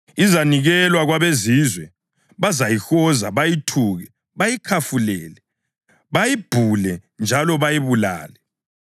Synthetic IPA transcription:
izaniɣɛlwaɣwaβezizwɛ | βazajixɔzaβajitʰuːɣɛ | βajikʰafulɛːlɛ | βajib̥ʱulɛnd͡ʒʱalɔβajiβula̰ːlɛ

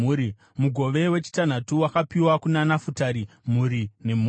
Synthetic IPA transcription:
ɾi | muɡʱo̞ʋe̞we̞t͡ʃi̥tan̤atuwakapiwakunanafutaɾi | m̤uɾine̞muː

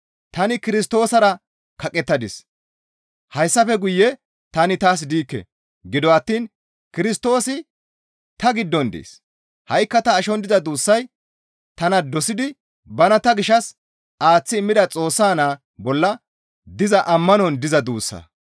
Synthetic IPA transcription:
t̪ɐnɪkɪɾɪst̪o̞ːsɐɾɐ | kɐkʼɛt̪ːɐd̪ɪs | hɐjsːɐfɛɡʊjːɛ | t̪ɐnɪt̪aːs̬d̪iːkːɛ̰ | ɡɪd̪ɔɐt̪ːiːn | kɪɾɪst̪o̞ːsɪ | t̪ɐɡɪd̪ːɔnd̪ḛːs | hɐjkːɐt̪ɐːʃɔnd̪ɪzɐd̪uːsːɐj | t̪ɐnɐd̪ɔsɪd̪ɪ | bɐnɐt̪ɐɡɪʃːɐs | aːt͡sːɪːmːɪd̪ɐt͡sʼo̞ːsːaːnaː | bɔlːɐ | d̪ɪzɐʔɐmːɐnɔnd̪ɪzɐd̪uːsːɐ̰

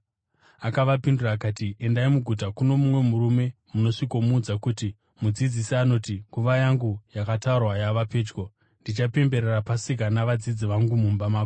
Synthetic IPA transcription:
akaʋapinduraːkaːtiʔe̞ndaimuɡʱut̬akuno̞mumwe̞muɾume̞muno̞ʂiko̞muːd͡zakuti | mud͡zid͡zisiano̞tiŋɡuʋajaŋɡujakataurwajaʋape̞ːd͡ʒɡo̞ | ndit͡ʃape̞mbe̞ɾerapasik̬anaʋad͡zid͡ziʋaŋɡumumbamaːko

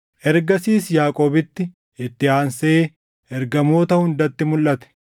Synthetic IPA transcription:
ʔɛɾɡɐsiːsjaːkʼo̞ːbɪt̪ːɪ | ɪt̪ːɪaːnseː | ʔɛɾɡɐmo̞ːt̪ɐhʊnd̪ɐt̪ːɪmʊlʔɐt̪ɛ̥

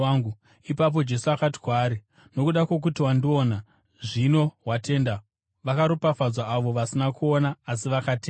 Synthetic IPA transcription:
ŋɡu | ipap̬o̞d͡ʒe̞suakati̥kwaːɾi | no̞kuɗakwe̞k̬utiwandio̞ːna | ʐino̞ɦwate̞ːnda | ʋakaɾupafad͡zwaːʋo̞ʋasinakuonaːsiʋakateːna

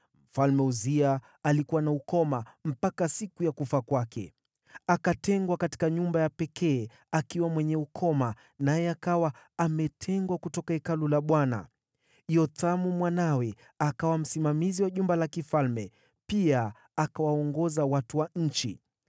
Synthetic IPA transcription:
m̩falmɛuziaː | likuwanaukɔmam̩pakasikujakufakwakɛ̰ | akatɛŋɡwakati̥kaɲumbajapɛkʰɛː | akiwamwɛɲɛukʰɔma | najɛakawaamɛtʰɛŋɡwakutɔkaɛkalulaɓwana̰ | jɔt̪amumwanawɛ | akawam̩simamiziwaʄumbalakifalmɛ | pia | akawaɔŋɡɔzawatuwaɲ̩t͡ʃḭ

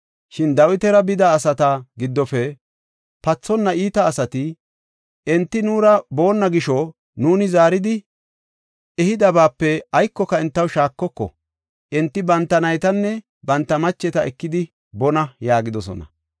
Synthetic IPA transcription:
ʃɪnd̪ɐwɪt̪ɛɾɐbɪd̪ɐːsɐt̪ɐɡɪd̪ːɔfɛ | pɐt͡sːɔnːɐiːt̪ɐːsɐt̪ɪ | ɛnt̪ːɪnuːɾɐbo̞ːnːɐɡɪʃɔ | nuːnɪzaːɾɪd̪ɪ | ɛhɪd̪ɐbaːpːɛɐjkːɔkɐɛnt̪ːɐwʃaːkːɔkːɔ̰ | ʔɛnt̪ːɪbɐnt̪ːɐnɐjt̪ɐnːɛ | bɐnt̪ːɐmɐt͡ʃːɛt̪ɐɛkːɪd̪ɪ | bɔnɐjaːɡɪd̪ɔsɔ̰nɐ̰

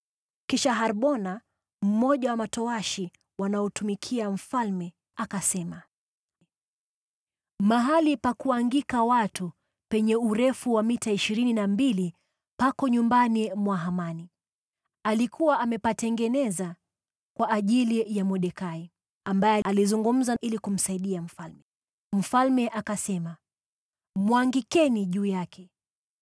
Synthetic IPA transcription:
kiʃaɦaɾɓɔna | m̩mɔʄawamatɔaʃi | wanaɔtumikʰiam̩falmɛ | akasɛma | maɦalipakuaŋɡikawatu | pɛɲɛuɾɛfuwamitaiʃiɾininambili | pakɔɲumbanimwaɦamani | alikʰuwaʔamɛpatɛŋɡɛnɛza | kwaʔːʄilijamɔɗɛkai | ambajɛalizuŋɡum̩zailikum̩saiɗiam̩falmɛ | m̩falmɛʔakasɛma | mwaŋɡikɛniʄuːjakʰɛ

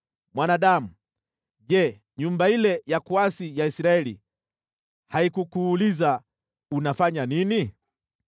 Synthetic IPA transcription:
mwanaɗamu | ʄɛ | ɲumbailɛjakuasijaisiɾaɛlḭ | haikukuːliza | unafaɲanini

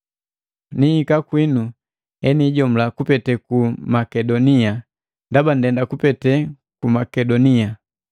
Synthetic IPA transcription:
nihikakwinu | ɛniɟɔm̩lakupɛtɛkumakɛdɔnia | ndaban̩dɛndakupɛtɛ | kumakɛdɔnia

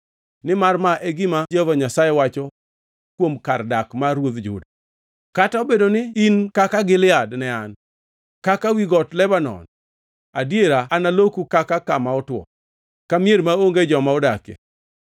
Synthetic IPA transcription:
nɪmarmaʔɛɡɪmad͡ʒavaɲasajɛwat͡ʃɔ | kwomkardakmaɾwoðd͡ʒʊ̰d | kataobedonɪinkakaɡɪlɪadnɛan | kakawiɡɔtlɛbanɔ̰n | adjeɾaːnalokukakakamaɔtwɔ̰ | kamjeɾmaoŋɡed͡ʒɔmaɔdakḛ

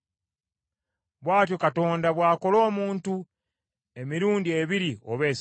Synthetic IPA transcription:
βwaːt̬jokato̞ːndaβwaːko̞lo̞ːmuːntu | emiɾuːndie̞βiɾioβe̞ːs

